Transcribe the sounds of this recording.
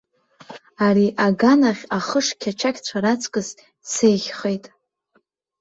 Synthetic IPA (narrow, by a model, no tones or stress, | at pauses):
aɾiʔaɡanaχʲaχəʂkʲʰat͡ʃʰakʲt͡ɕʷʰaɾat͡sʰʼkʼɨz | sejʁʲχejtʼ